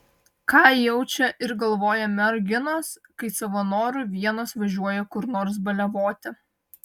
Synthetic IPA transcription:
kɑːjɛʊt͡ʃʲɛʔɪɾɡɐlˠʋoːjɛmʲɛɾɡʲɪnoskɐɪsɐʋɐnoːɾʊʋʲiɛnɐsʋɐʒʲuɔjɛkʊɾnoːɾs̬bɐlʲɛʋoːt̪ʲɪ

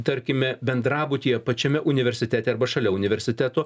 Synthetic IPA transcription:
t̪ɐɾʲkʲɪmʲɛbʲɛnd̪ɾɑːbʊt̪ʲiːjɛpɐt͡ʃʲɛmʲɛʔʊnʲɪʋʲɛɾʲsʲɪt̪ʲæːt̪ʲɛɐɾbɐʃɐlʲɛʊnʲɪʋʲɛɾʲsʲɪt̪ʲæt̪oː

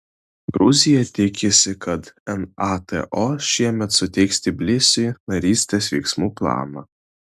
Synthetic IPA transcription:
ɡɾʊzʲɪjɛt̪ʲɪkʲɪsʲɪkɐt̪ɛnɑt̪ɛ̰ʔoːʃʲiɛmʲɛt̪sʊt̪ʲɛɪksʲt̪ʲɪbʲlʲɪsʲʊnɐɾʲiːsʲt̪ʲesʋʲɛ̰ɪksmuːplˠɑ̰ːmɐ̰

